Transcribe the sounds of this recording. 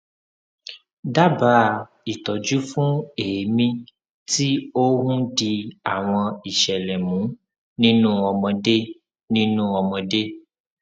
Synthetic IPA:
da˦ba˨˦˨ | i˨tɔ˨d͡ʒu˦fũ˦e˨e˨mĩ˧ | ti˦o˦hũ˦di˧a˨w̃ɔ̃˧i˨ʃɛ˨lɛ˨mũ˨˦ | nĩ˦nũ˦ɔ˧mɔ̃˧de˦ | nĩ˦nũ˦ɔ˧mɔ̃˧de˦

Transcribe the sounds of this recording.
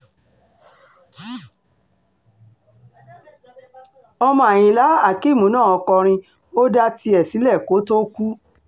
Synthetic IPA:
ɔ˧mɔ̃˧a˨j̃ĩ˨la˨˦a˦˨ki˦˨mũ˨˦nãː˦˨ɔ˧kɔ˧ɾ̃ĩ˧ | o˦da˧ti˧ɛ˨si˨˦lɛ˦˨ko˨˦to˦ku˦

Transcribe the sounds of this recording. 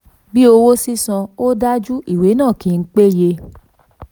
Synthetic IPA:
bi˦o˧wo˦si˦sã˧o˦da˦d͡ʒu˦i˦˨we˨˦nãː˦˨kĩ˨˦˧n̩˦k͡pe˦je˧

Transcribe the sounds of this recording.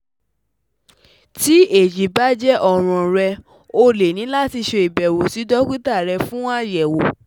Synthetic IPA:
ti˨˦e˦˨d͡ʒi˨ba˦d͡ʒɛ˦ʔɔ˦˨ɾ̃ɔ̃˨ɾɛ˧ | o˧le˨nĩ˨˦la˦ti˧ʃe˧i˨bɛ˨wo˨si˨˦dɔ˦kʷi˦ta˦˨ɾɛ˧fũ˦wã˦jɛ˨wo˨

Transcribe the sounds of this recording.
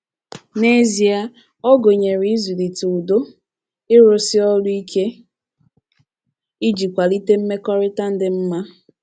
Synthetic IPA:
ne˦zi˨˦a˦ | ɔ˦ɡo˨ɲe˨ɾi˨˦i˦zu˨li˨tu˨u˨do˦ | ɪ˦ɾʊ˨sɪ˦ɔ˦lʊ˦i˦kʰe˦ | i˦d͡ʒi˨kʷa˨li˦te˦m̩˦me˦kɔ˦ɾɪ˦ta˦n̩˦dɪ˦m̩˦ma˦

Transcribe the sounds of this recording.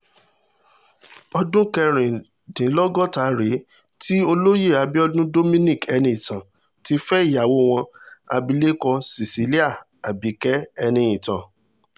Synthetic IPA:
ɔ˧dũ˦kɛ˧ɾ̃ĩ˨ | dĩ˨˦lɔ˦ɡɔ˦˨ta˨˦ɾe˨˦ | ti˦o˧lo˦je˦˨a˧˦bi˦ɔ˧dũ˦do˦mĩ˦nĩ˦˨kɛ˧nĩ˧ĩ˨tã˨ | ti˧fɛ˦i˦˨ja˨wo˦w̃ɔ̃˧a̰˧bi˧le˦kɔ˧si˨si˨˦li˦a˦˨ | a˨bi˨˦kɛ˦ɛ˧nĩ˧ĩ˨tã̰˨

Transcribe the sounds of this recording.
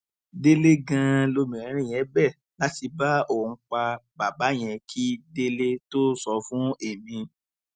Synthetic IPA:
de˦le˦ɡã˧lo˧mĩ˨ɾ̃ĩ˨˦ɾ̃ĩ˦˨jɛ̃˨˦bɛ˦˨ | la˦ti˧ba˦õ˦˨˧k͡pa˧ba˨ba˨˦j̃ɛ̃˧kʰi˦de˦le˦to˦sɔ˧fũ˦e˨mĩ˧

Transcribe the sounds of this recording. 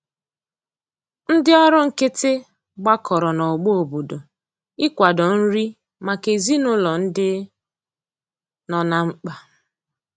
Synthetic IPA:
n̩˦dɪ˦ɔ˦ɾʊ˦ŋ̩˨kɪ˦tɪ˦ | ɡ͡ba˦kʰɔ˨ɾɔ˨nɔ˨ɡ͡bo˦o˨bo˨do˨ | ɪ˦kʷa˨dɔ˨n̩˦ɾi˦ | ma˨ke˨zi˦nʊ˦lɔ˨n̩˦dɪ˦ | nɔ˨na˦ŋ͡m̩˦k͡pa˨

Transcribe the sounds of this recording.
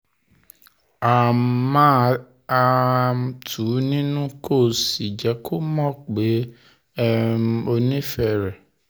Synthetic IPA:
a˨mã˦ | a˧˦ | tʰu˨˦nĩ˦nũ˦kʰo˦˨si˨d͡ʒɛ˨˦kʰo˦mɔ̃˦k͡pe˨˦ | ɛ˦o˧nĩ˦fɛ˧˨ɾɛ˨

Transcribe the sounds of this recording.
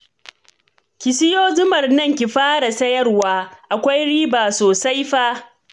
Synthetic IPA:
kʲɪ˨sɪ˦joː˦zʊ˦mɐ˨rnɐ˦˨ŋkʲi˨ɸaː˦ɽa˨sɐ˦jɐ˦rwaː˦ʔa˨kʷa˦jɽiː˦baː˨soː˨sa˦jɸaː˦

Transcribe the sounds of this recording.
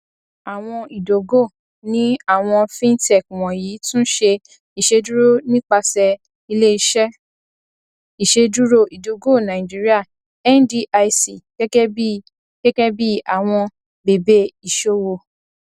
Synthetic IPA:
a˨w̃ɔ̃˧i˨do˨˦ɡo˦˨ | nĩ˦a˦˨w̃ɔ̃˧fĩ˦ntɛ˦˨k̚w̃ɔ̃˨ji˨˦tũ˦ʃe˧ | i˨ʃe˧du˦ɾo˦˨nĩ˦k͡pa˧sɛ˧ | i˧le˦i˧˨ʃɛ˦ | i˨ʃe˧du˦ɾo˦˨ʔi˨do˨ɡo˦˨nã˨i˨d͡ʒi˨˦ɾi˦a˦˨ | ɛ˦n˦di˧ʔa˧si˨kɛ˦kɛ˦bi˦ | kɛ˦kɛ˦bi˦a˦˨w̃ɔ̃˧ | be˨be˦i˨ʃo˦wo˧˨

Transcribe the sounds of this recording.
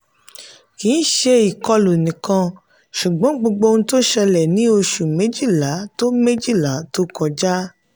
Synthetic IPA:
kĩ˨˦ʃe˧i˨kɔ˧lu˨nĩ˨kã˧ | ʃu˨ɡ͡bɔ̃˨˦ɡ͡bo˧ɡ͡bo˧ñ̩˧to˦ʃɛ˧lɛ˨nĩ˨˦o˧ʃu˨me˨˦d͡ʒi˦˨la˨˦to˦me˦d͡ʒi˦˨la˨˦to˦kɔ˧d͡ʒa˦

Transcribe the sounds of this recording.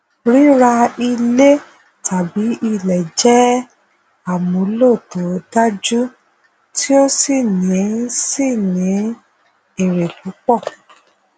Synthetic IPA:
ɾi˦ɾa˧i˧le˦ | tʰa˨bi˨˦ʔi˧˨lɛ˨d͡ʒɛ˦ | a˦˨mõ˨˦lo˦˨to˨˦da˦d͡ʒu˦ | ti˦o˦si˦˨nĩ˨˦si˦˨nĩ˨˦ | e˦˨ɾe˨lu˨˦k͡pɔ˦˨

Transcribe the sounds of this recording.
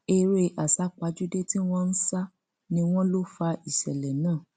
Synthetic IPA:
e˧ɾe˦ʔa˨sa˨˦k͡pa˨˧d͡ʒu˦de˦ti˦w̃ɔ̃˦n̩˦sa˦ | nĩ˧w̃ɔ̃˦lo˦fa˧i˨ʃɛ˨lɛ˨nãː˦˨

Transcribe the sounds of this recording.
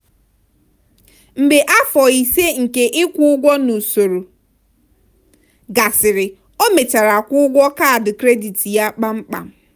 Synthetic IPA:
m̩˨be˨ʔa˦fɔ˨i˨se˦ŋ̩˨ke˦ʔɪ˦kʷʊ˦ʊ˦ɡʷɔ˦nu˨so˨ɾo˨ | ɡa˨sɪ˨ɾɪ˨ | o˦me˨t͡ʃa˨ɾa˨kʷʊ˦ʊ˦ɡʷɔ˦ka˦a˨dʊ˨kɾe˦di˨ti˨ja˦k͡pa˦ŋ͡m̩˦k͡pa̰˨m˦

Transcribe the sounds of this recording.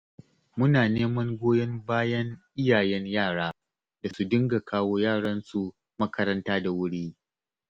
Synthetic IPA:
mʊ˦naː˨neː˦mɐ˦ŋɡʷoː˦jɐ˦mbaː˦jɐ˦ŋʔɪ˦jaː˨jɛ˦ɲjaː˦˨ɽaː˦ | d̥a˨su˦˨dɪ˦ŋɡa˨kʰaː˦woː˦jaː˦˨ɽɐ˦nsu˨ | mɐ˦kʰɐ˦ɾɐ˦ntaː˦da˨wʊ˦ɽiː˦

